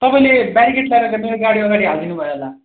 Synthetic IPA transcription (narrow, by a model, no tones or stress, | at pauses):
t̪ʌpaĩlebjaɾikeʈlajɾʌt̪ameɾoɡaɽiʌɡaɽiɦald̪inubʱʌeɦola